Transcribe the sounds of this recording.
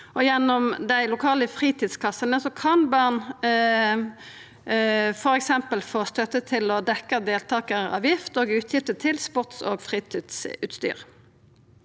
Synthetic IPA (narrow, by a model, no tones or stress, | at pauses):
ɔjɛnːɔmd̪æɪlʊkʰɑːləfʁiːt̪ʰiːd̪skʰɑsːənəsɔkʰɑnbɑʁn | fɔɾɛksɛmpəlfoːst̪œt̪ːət̪ʰɪlɔd̪ɛkːəd̪eːlt̪ʰɑːkəʁɑ̰ːʋjɪft̪oːɡʉːt̪ʰjɪft̪ət̪ʰɪlspʊʁt̪so̰ːɡfʁiːt̪ʰiːd̪sʉ̰ːt̪st̪y̰ːʁ